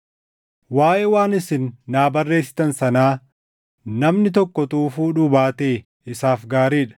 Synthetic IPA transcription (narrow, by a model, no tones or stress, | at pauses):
waːʔɛwaːnɪsɪnːaːbɐrːe̞ːsːɪ̥t̪ɐnsɐnaː | nɐmnɪt̪ɔkːɔt̪uːfuːᶑuːbaːt̪eː | ɪsaːfɡaːɾiːᶑɐ̥